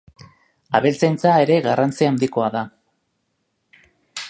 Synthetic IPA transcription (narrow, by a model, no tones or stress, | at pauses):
aβelt͡sajnt͡sae̞ɾe̞ɣarant͡siand̪iko̞aða